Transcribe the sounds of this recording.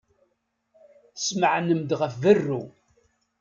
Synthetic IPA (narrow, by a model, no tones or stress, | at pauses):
θəsməʕnəmd̪ʁəfvərːu